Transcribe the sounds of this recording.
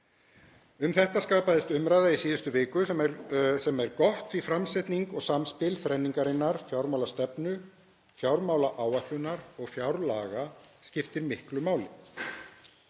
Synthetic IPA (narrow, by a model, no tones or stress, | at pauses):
ʏmθɛht̪askaːpaðɪst̪ʏmɾajðaisiːðʏst̪ʏvɪːkʏsɛmɛɾsɛmɛɾkɔht̪fɾifɾamsɛt̪niŋkɔɣsamspɪlθɾɛnːiŋkaɾɪnːaɾ̥fjawɾmawlast̪ɛpnʏ | fjawɾmaːwlaʔaːwaht̪lʏnaɾɔɣfjawɾlaːɣascɪft̪ɪɾmɪhklʏmaːwlɪ